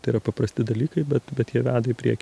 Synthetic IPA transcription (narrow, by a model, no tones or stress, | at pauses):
t̪ɐɪiɾɐpɐpɾɐsʲt̪ʲɪd̪ɐlʲiːkɐɪbʲɛt̪bʲɛt̪jiɛʋʲæːd̪ɐɪpʲɾʲḭɛkʲ